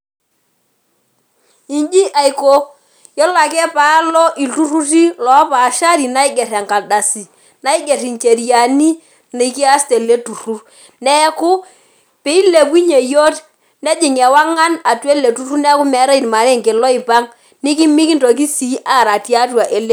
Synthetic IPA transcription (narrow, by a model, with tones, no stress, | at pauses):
i˨nd͡ʒi˦ʔa˨i˨ko˦ | jɔ˦la˨kɛ˦pa˨˦lɔ˦ʔi˨ltu˦ru˦ti˦lɔ˨˦pa˨ʃa˦ɾi˨na˦ɪ˦ɡɛ˨ɾa˨ŋka˨da˨si˨ | na˦i˦ɡe˨ri˨ŋt͡ʃe˨ɾi˨a˨ni˦ | ni˨ki˦a˦stɛ˨le˦tu˨ru˦r | nɛ˦kʊ˦ | pɛ˦i˦le˨pi˦ɲe˨jo˦t | nɛ˦d͡ʒɪ˨ŋɛ˨wa˦ŋa˦na˨twɛ˦le˨tu˨˦ru˦nɛ˦ku˦mɛ˨˦ɾa˦i˨n˨ma˨ɾɛ˦ŋkɪ˨lɔ˦ɪ˨pa˦ŋ | nɪ˦ki˦mi˦ki˦ntɔ˨k̬i˦si˨˦ʔa˦˨ɾa˨tja˦twa˨ʔe˨le˦